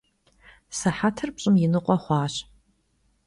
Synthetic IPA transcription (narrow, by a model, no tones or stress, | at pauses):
sɐħatʰɨrpɕʼɪmjɪnɨqʷʼɔχʷɑːɕ